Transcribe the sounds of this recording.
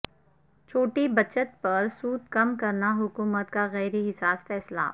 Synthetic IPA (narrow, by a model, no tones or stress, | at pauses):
t͡ʃʰoːʈibɐt͡ʃət̪pɐɾsuːd̪̚kɐmkɐɾnaɦʊkuːmət̪kaɣɛːɾiɦɪsaːsfɛːsla̰ː